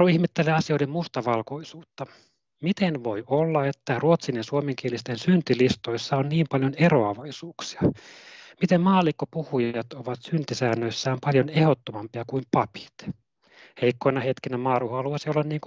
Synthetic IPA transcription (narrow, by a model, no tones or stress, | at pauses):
uihmet̪ːeleɑsio̞idemmust̪ɑʋɑlkoisuːt̪ːɑ | mit̪enʋo̞jolːɑet̪ːæruot̪sinensuomeŋk̟ielist̪ensynt̪ilist̪oisːɑonniːmpɑljoneroɑʋɑisuːksi̥ɑ | mit̪emmɑːlikːopuhujɑt̪oʋɑt̪synt̪isæːnːøisːæːmpɑljonehot̪ːomɑmpiɑkuimpɑpi̥t̪ | heikːoinɑhet̪kinæmɑːruhoɑluɑsiolːɑnniːŋk